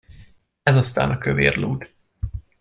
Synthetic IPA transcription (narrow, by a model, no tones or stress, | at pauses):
ɛzɒst̪a̰ːnʔɒkøveːrluːd̪